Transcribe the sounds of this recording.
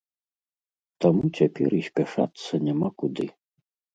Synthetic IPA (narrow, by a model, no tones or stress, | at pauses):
t̪amut͡sʲapʲɛ̰ɾisʲpʲaʂa̰t̪sːɐnʲamakud̪ɨ